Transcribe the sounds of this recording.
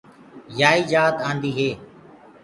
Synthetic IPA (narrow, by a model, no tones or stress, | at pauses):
jaːiːd͡ʒaːt̪ãːnd̪iːɦeː